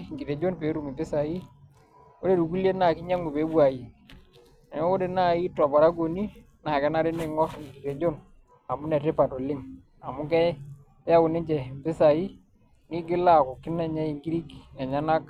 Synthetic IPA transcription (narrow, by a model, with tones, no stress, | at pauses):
ŋɡi˨ɾe˨d͡ʒo˦npe˨˦ɾu˦˨mi˨mbɪ˦sa˨ji˦ | o˦ɾe˦˨du˨ku˦lje˦na˨kɪ˦ɲa˦ŋɡu˨pe˨˦bwa˨ji˨ | nɛ˨˦o˦de˨na˦˨i˦tːɔ˨pa˨ɾa˦ɡo˨ni˦ | na˨kɛ˦na˦ɾɪ˦nɪ˦ŋɔ˦sŋ˨ɡi˨te˨d͡ʒo˦n | a˨mu˦nɛ˨tɪ˦pa˨to˨lɪ˦m | a˨mʊ˦kɛ˦ | a˦kʊ˨nɪ˦ɲd͡ʒɛ˨mbɪ˦sa˨ji˦ | ŋɪ˦ɡɪ˦la˦˨ko˨kɪ˦nɛ˦ɲa˦i˨ŋɡi˦ɾi˦kɛ˨ɲa˦na˦k̚